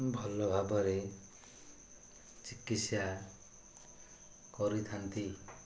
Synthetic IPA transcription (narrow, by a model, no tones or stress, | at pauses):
bʱɔlɔbʱabɔɾe | t͡ʃikisja | kɔɾit̪ʰant̪i